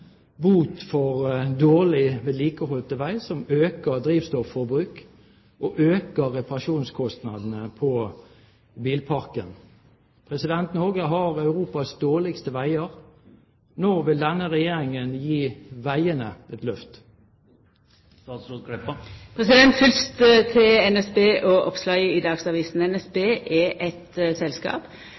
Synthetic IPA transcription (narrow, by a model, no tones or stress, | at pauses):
buːt̪fɔʁd̪oːʁlɪʋɛliːkəhɔlt̪əʋæɪsɔmøːkəd̪ɾiːʋst̪ɔfːɔɾbɾʉːk | ʔɔʔøːkəʁɛpɑʁɑʃuːnskʰɔst̪nɑd̪n̩əpʰɔ | biːlpʰɑʁkən | pʰʁɛsɪd̪ɛnt̪nɔɡəɦɑʁɑʉʁuːpɑsd̪oːʁlɪkst̪əʋæɪəʁ | noːʋɪld̪ɛnːəʁɛjeːɾɪŋənjiːʋæɪənəʔɛt̪lœft̪ | ɑt̪sukɛppʰʁɛsɪd̪ɛnt̪fʏlst̪t̪ʰɪɛnɛsbeːʔɔʔɔ̰pslɑʏəɪd̪ɑːɡsɑʋiːsn̩ɛnɛsbeːʔɛʔɛt̪əsɛlskɑ̰ːp